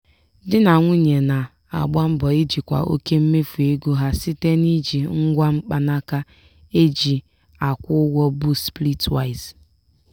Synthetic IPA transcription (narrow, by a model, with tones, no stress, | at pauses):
dɪ˦na˨ŋʷʊ˦ɲe˨na˨ | a̰˨ɡ͡ba˦m̩˦bɔ˨e˦d͡ʒi˨kʷa̰˨ʔo̰˦ke˦m̩˦me˦fu˨e˦ɡu˦ɦa˦si˦te˦ni˦d͡ʒi˨ŋ̩˦ɡʷa˦ŋ͡m̩˦k͡pa˦na˦ka˦ | e˦d͡ʒi˨ | a˨kʷʊ˦ɡʷɔ˦bu˦spli˦twa˦˨ɪ˨z